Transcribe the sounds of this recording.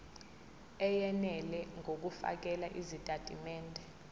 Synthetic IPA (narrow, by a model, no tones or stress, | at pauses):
ɛjɛnɛlɛŋʱok̬ufa̰k̬ɛlaʔizitʼatʼimɛːndʱɛ